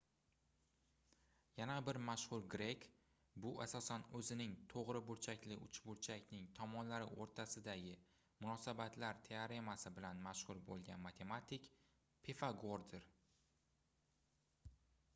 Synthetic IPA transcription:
janabɪɾmaʃhʊɾɡɾe̞kʲ | bʊʔasɒsanɵzɪnɪŋt̪ʰoʁɾɪbʊɾt͡ʃʰakʲlɪʔʊt͡ʃbʊɾt͡ʃʰakʲnɪŋt̪ʰɒmɒnlaɾɪ̰ʔoɾt̪ʰasɪd̪aɡʲɪ | mʊnɒsabat̪laɾt̪ʰeaɾe̞masɪbɪlanmaʃhʊɾbolˠɡʲanmat̪ʰe̞mat̪ʰɪk | pʰefaɡoɾd̪ɪɾ

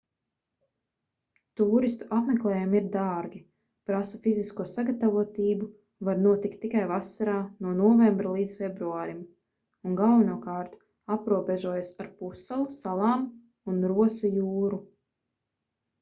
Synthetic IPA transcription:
t̪uːɾist̪u̥ʔapmeklˠɛːjumiɾd̪aːɾɡʲi | pɾasafiziskuɔsaɡat̪avuɔt̪iːbu | vaɾnuɔt̪ikt̪ːikajvasaɾaːnuɔnɔɔvɛmbɾalˠiːd̪zfebɾuaːɾim | uŋɡalˠvɛnuɔkɑːɾt̪ | apɾuɔbɛʒuɔjasaɾpusalˠusalˠɑːm | unɾuɔsajuːɾu

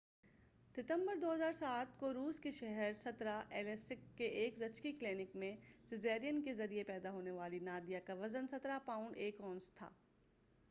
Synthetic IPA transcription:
dɪt̪ə̃mbəɾd̪oːɦɐzaːɾsaːt̪̚koɾuːskeʃɛɦɛɾsɐt̪ɾaʔɛːlɛsɪkːeʔeːkzɐt͡ʃkikleːnɪkmẽsɪzɛːɾijənkezɐɾiepɛːd̪aɦoːneʋaːlinaːd̪ijakaʋɐzənsɐt̪ɾapãːʊ̃ɳɖeːkɔːnst̪ʰa̰ː

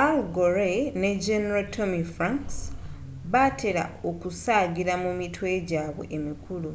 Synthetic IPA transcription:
alɡoɾeneɟeneɾaltʰomifɾaŋks | βatʰe̞ɾa̰o̞kusaɡiɾamumitwe̞ɟaːβwḛʔemikulu

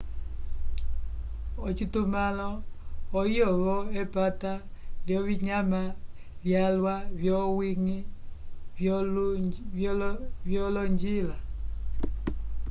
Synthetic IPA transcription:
ɔt͡ʃitomalɔɔiɔβɔepataljɔβiɲama | vjalwavjɔwiŋi | vɔlɔɲd͡ʒila

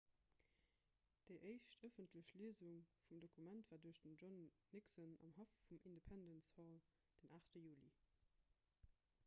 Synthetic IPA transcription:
d̥əɪʔəɪʃtəfəntləɕliəzuŋfumdokʰumæntv̥aːduəɐɕd̥ənʒɔnː | iksənɑ̰mhɑfːumʔindepʰændənsfɑl | d̥ənʔaːχtəjuːlḭ

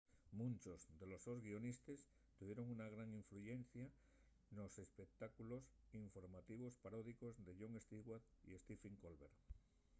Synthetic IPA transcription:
mũnt͡ʃo̞zðe̞lo̞so̞zɣio̞nist̪es | t̪uβje̞ɾo̞ŋunaɣ̞ɾaŋiɱfluʝe̞nθja | no̞se̞spe̞k̚t̪akulo̞siɱfo̞ɾmat̪iβ̞o̞spaɾoðikozðe̞ʎo̞ŋe̞st̪iɣwat̪ | ḭe̞st̪ifeŋkolβe̞ɾ

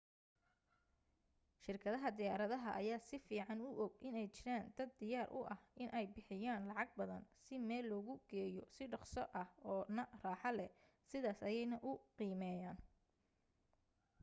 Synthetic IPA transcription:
ʃɪrkʰɐðɐɦɐd̪ɪjaːɾɐðɐɦɐʔɐjaːsɪfiːʕɑnʊʔɔɡʔɪnɛjt͡ʃɪɾaːnd̪̥ɐd̪ːɪjaːɾʔʊ̰ʔɐhʔɪnʔɛjbɪħɪjaːnlɑʕɑɡ̚bɐðɐnsɪmɛːlːɔːɣʊɡ̥ɛːjɔsɪɖɑqsɔʔɐhɔːnɐraːħɑlɛ | sɪðaːsɐjɛjnɐʔʊqiːmɛːjaːn

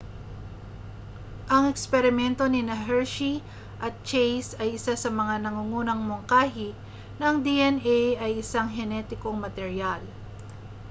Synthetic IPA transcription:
ʔɐŋɛkspɛɾɪmɛnt̪o̞nɪnɐɦɛɹʃi | ʔɐt̪̚t͡ʃejsɐjɪsasɐmɐŋanɐŋuŋuːnɐŋmoŋkaːɦi | nɐŋd̪iʔɛnɛjɐjʔɪsaŋɦɛnɛt̪ɪko̞ŋmɐt̪ɛɾjal

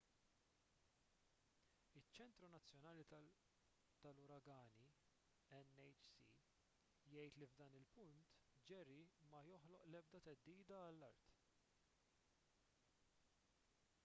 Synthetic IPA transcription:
ɪt͡ʃːɛnt̪ɾunɐt͡sːjɔnɐːli | t̪ɐlʊɾɐɡɐːni | ɛnɛjt͡ʃsḭ | jɛjt̪livd̪ɐːnɪlpʊnt̪d͡ʒɛɾimɐjɔħlɔʔlɛb̚d̪ɐt̪ɛd̪ːiːd̪ɐːlːɐɾt̪

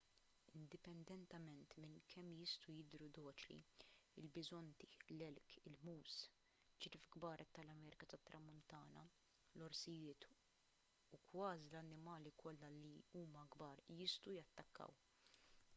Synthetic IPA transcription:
ɪnd̪ɪpɛnd̪ɛnt̪ɛmɛnt̪mɪnkʰɛmːjɪst̪ujɪd̪ɾud̪ɔːt͡ʃlḭɪlbɪzɔnt̪i̥lɛlkɪlmuːs | d͡ʒɪɾɪfɡbɐːɾʔɛt̪ːɐlɐmɛːɾɪkɐt̪ɐt̪ːɾʔɐmːʊnt̪ɐːnɐ | lɔɾsɪjɪːt̪ | ukwɐːzilɐnːɪmɐːlikʰɔlːɐliuːmɐɡbɐːɾjɪst̪ujɐt̪ːɐkːɐ̰w

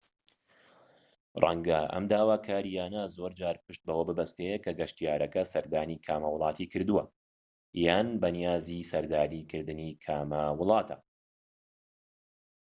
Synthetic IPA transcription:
rˤɐ̰ŋɡɐʔɐ̰md̪aːwaːkʰaːɾijaːnɐzo̞ɾd͡ʒaːɾpɨʃt̪̚bɐwɐbɨbɐst̪ejekɐɡɐʃt̪ijaːɾɐkɐsɐɾd̪aːnikʰaːmɐwʊlˠɑːt̪ʰikɨɾd̪uwɐ | jaːnbɐnijaːzisɐɾd̪aːnikʰɨɾd̪ɨniːkʰaːmɐwʊlˠɑːt̪ʰɐ

